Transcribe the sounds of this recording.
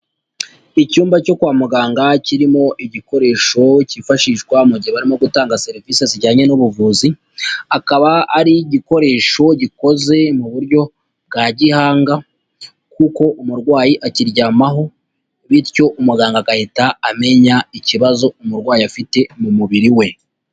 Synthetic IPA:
icuːmbaco̞kwaːmuɡaːŋɡaciɾimo̞ʔiɟiko̞ɾe̞ːʃo̞cifaʃiːʃɡwamuɟiheβaɾimo̞ɡutaːŋɡase̞ɾiviseziɟaːɲenuβuvuːzi | akaβaaɾiɟiko̞ɾe̞ːʃo̞ɟiko̞ze̞muβuɾɟo̞ | bɡaɟihaːŋɡa | kuko̞ʔumuɾɡwaːjiʔaciɾjaːmaɦo̞ | βitco̞ʔumuɡaːŋɡaɡahetaame̞ɲaiciβazo̞umuɾɡwaːjiafite̞mumuβiɾiwe̞

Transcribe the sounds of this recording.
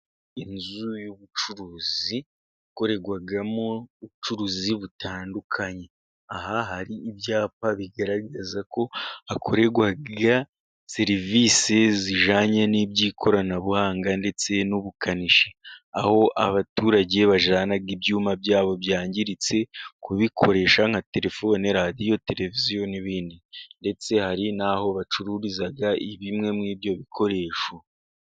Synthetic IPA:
inzujuβut͡ʃuɾuːzi | ako̞ɾe̞ɡwaɡamouβut͡ʃuɾuːziβutʰaːndukʰaɲe̞ | aɦaɦaɾiːbjaːpaβiɡaɾaɡazako̞hakʰo̞ɾe̞ɡwaɡa | se̞ɾiviːse̞ziʒaːɲanibɟiːkʰo̞ɾanaβuhaːŋɡande̞t͡se̞nuβukaniʃeaho̞ʔa̰βatuːɾaɟe̞βaʒaːnaɡibɟuːmabɟaːβo̞bjaːɲɟiɾit͡se̞kuβikʰo̞ɾe̞ːʃaŋ̥ate̞ɾe̞foneɾadijo̞te̞ɾe̞vizijo̞niβiːndinde̞t͡se̞haɾinaho̞βat͡ʃuɾuɾizaɡaiβimŋe̞mŋiːbɟo̞βikʰo̞ɾe̞ːʃo

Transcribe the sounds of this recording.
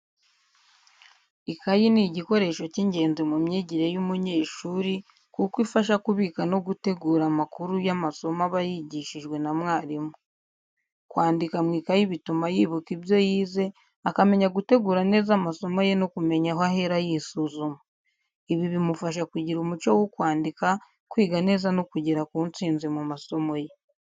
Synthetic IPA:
ikajiniɟiko̞ɾe̞ʃo̞ciɲɟe̞ːnzemumɲeɟiɾe̞jumuɲe̞ːʃuːɾi | kukwifaʃakuβiːkano̞ɡute̞ɡuːɾamakuɾujamaso̞maβajiɟiʃiʒɡwe̞namŋaːɾimu | kwaːndikamŋiːkajiβitumajiβukiβjo̞jiːze̞ | akame̞ɲaɡute̞ɡuːɾane̞ːzamaso̞mo̞je̞nokume̞ɲaɦoahe̞ɾajisuzuma | iβiβimufaʃ̬akwuɟiɾumut͡ʃowokwaːndika | kwiːɡane̞ːzanokuɟeɾakuːnt͡siːnzimumaso̞mo̞je̞

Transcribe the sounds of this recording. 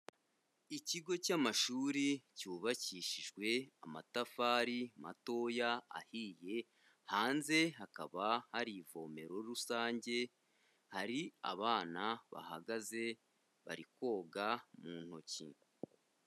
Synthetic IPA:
iciɡo̞camaʃuːɾicuːβaciʃiʒɡwe̞a̰matafaːɾima̰to̞ja̰ːhije̞ | haːnze̞ɦaka̰βahaɾivo̞ːme̞ɾo̞ɾusaːɲɟe̞ | haɾia̰βaːnaβa̰ha̰ɡaze̞ | βa̰ɾikwo̞ːɡamuːn̥hocḭ

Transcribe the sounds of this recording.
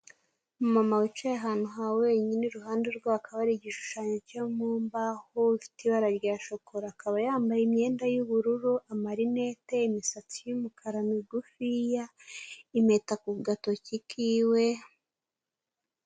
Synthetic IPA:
mumamawit͡ʃajaɦaːn̥uɦawe̞ːɲiniɾuɦaːndeɾɡwakʰaβaɾiɟiʃu̥ʃaɲocamumbahoifi̥tiβaɾaɾjaʃokʰoɾaaːkaβajaːmbajimɲe̞ːndajuβuɾuɾuʔamaɾine̞te̞imisat͡sijumukʰaɾaniɡufijaimetakuβɡatocikiwe̞

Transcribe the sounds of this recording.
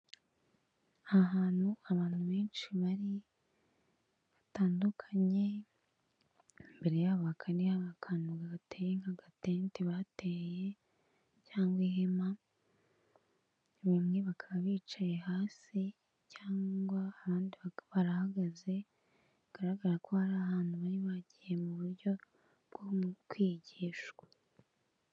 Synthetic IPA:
aɦaːn̥huaβaːn̥huβe̞ːnʃiβaɾi | βataːndukʰaɲe̞ | mbe̞ɾe̞jaβakʰanijaβakʰanuɡaβatejeŋaɡatentiβateːje̞ | caːŋɡwihema | βamŋiβakʰaβaβiːt͡ʃajehaːsi | caːŋɡwaːβaːndiβaβaɾahaɡaze̞ | aɡ̥aɾaɡaɾakʰo̞haɾaːhaːn̥huβaniβaɟije̞muβuɾɟo̞ | ɡ̥omkwiːɟiʃɡwḁ

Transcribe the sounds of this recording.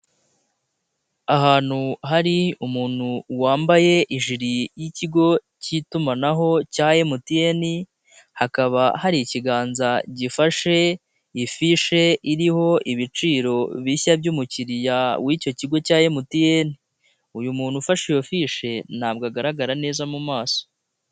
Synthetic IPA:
aɦaːn̥huɦaɾiumuːn̥huwaːmbaje̞ʔiʒiɾijiciɡo̞ | citumanaɦo̞caːje̞mutijeni | hakaβahaɾiciɡaːnzaɟifaʃe̞ | ifiʃe̞iɾiho̞ʔiβit͡ʃiːɾo̞βiçabjuːmuciɾijawico̞ciɡo̞caːjemutijeni | ujumuːn̥hufaʃijo̞fiʃe̞n̥aːb̚ɡaɡaɾaɡaɾane̞ːzamumaːso̥

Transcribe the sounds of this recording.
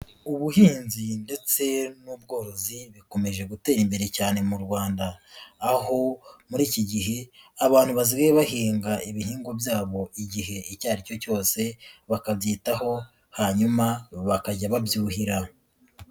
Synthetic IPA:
uβuhiːnzinde̞t͡se̞nuːbɡo̞ːɾo̞ziβiko̞me̞ʒe̞ɡute̞ːɾimbe̞ɾe̞caːne̞muɾɡwaːndaː | ho̞muɾiːciɟiɦe̞aβaːn̥huβaziɡajeβahiːŋɡaʔiβiɦiːŋɡo̞bjaːβo̞iɟihe̞icaːɾico̞co̞ːse̞βakabjiːtaho̞ | haɲumaβakaɟaβabjuːhiɾa

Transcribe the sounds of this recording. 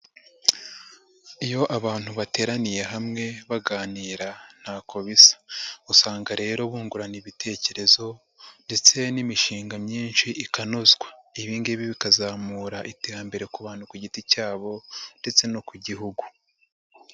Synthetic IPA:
ijo̞ʔaβaːn̥huβate̞ːɾanije̞ɦamŋe̞βaɡaːniːɾan̥haːkʰo̞βisḁusaːŋɡaɾe̞ːɾo̞βuːŋɡuɾaniβitʰe̞ce̞ɾe̞zo̞ | nde̞t͡se̞nimiʃiːŋɡamɲiːnʃiʔikanozɡwaiβiːŋɡeβiβikazaːmuːɾaʔite̞ːɾambe̞ɾe̞kuβaːnukuɟiticaːβo̞nde̞t͡se̞nokuɟiɦuɡu̥

